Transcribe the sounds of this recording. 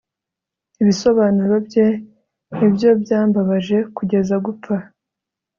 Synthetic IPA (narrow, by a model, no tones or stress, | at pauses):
iβiso̞βaːnuɾo̞bje̞ | nibjo̞bjaːmbaβaʒe̞kuɟe̞zaɡup͡fa